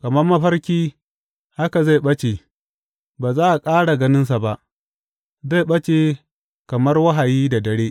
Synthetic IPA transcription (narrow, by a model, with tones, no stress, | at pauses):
kɐ˨mɐ˦rmɐ˦ɸɐ˦rkʲiː˦ | ha˦ka˨za˦˨jɓɐ˦t͡ʃe˨ | baː˨zaː˦ʔa˨kʼaː˦ɽa˨ɡɐ˦nɪ˦ns̬a˨ba˨ʔ | za˦˨jɓɐ˦t͡ʃeː˨ | kɐ˨mɐ˦rwɐ˦ɦa˨jiː˦da˨dɐ˨ɽeː˦ʔ